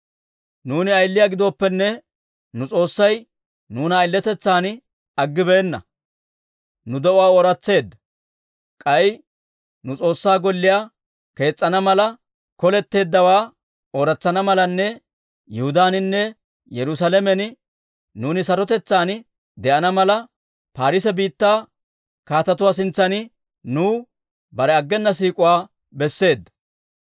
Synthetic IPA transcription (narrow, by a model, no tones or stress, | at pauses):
nuːnɪɐjlːɪjaːɡɪd̪o̞ːpːɛnːɛ | nʊt͡sʼo̞ːsːɐj | nuːnɐɪlːɛt̪ɛt͡sːaːn | ɐɡːɪbe̞ːnːɐ̰ | nʊd̪ɛʔʊaːoːɾɐt͡sːe̞ːd̪ːɐ | kʼɐj | nʊt͡sʼo̞ːsːaːɡɔlːɪjaː | ke̞ːt͡sʼːɐnɐmɐlɐ | kɔlɛt̪ːe̞ːd̪ːɐwaː | oːɾɐt͡sːɐnɐmɐlɐnːɛ | jɛhʊd̪aːnɪnːɛ | jɛɾʊsɐlɛmɛnɪ | nuːnɪsɐɾɔt̪ɛt͡sːaːn | d̪ɛʔɐnɐmɐlɐ | paːɾɪsɛbiːt̪ːaː | kaːt̪ɐt̪ʊwaːs̬ɪnt͡sːɐnɪ | nuː | bɐɾɛɐɡːɛnːɐs̬iːkʼʊwaː | bɛsːe̞ːd̪ːɐ̥